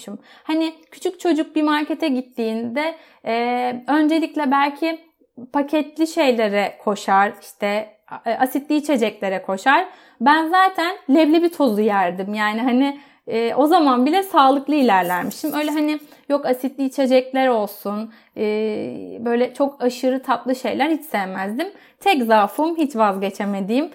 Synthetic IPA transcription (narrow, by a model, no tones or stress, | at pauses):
imhanɪcʰy̥t͡ʃʰyc̚t͡ʃʰo̞d͡ʒuk̚bimaɾcet̪ʰɛɟit̪ʰːiːnd̪ɛː | ø̞nd͡ʒe̞lʲiclʲɛbælʲcʰɪ | pʰacʰɛt̪lʲiʃe̞jlʲeɾɛkʰo̞ʃaɾ̥iʃt̪ʰɛ | asit̪lʲiːt͡ʃʰe̞d͡ʒɛclʲe̞ɾɛkʰo̞ʃaɾ̥ | bænzaːt̪ʰænlʲɛblʲɛbit̪ʰo̞zujæɾd̪imjaːniɦanɪ | ɛːʔo̞zamanbilʲɛsaːlˠɯklˠɯilʲæɾlʲæɾmiʃt̪imø̞jlʲɛɦanɪjo̞kasit̪lʲiːt͡ʃʰe̞d͡ʒɛclʲæɾo̞lˠsun | ɯːbø̞jlʲɛt͡ʃʰo̞kaʃɯɾɯt̪ʰaplˠɯʃe̞jlʲæɾhit͡ʃsɛjmæzd̪im | t̪ʰɛc̬zaːfumɦit͡ʃvazɟe̞t͡ʃʰeme̞d̪ijim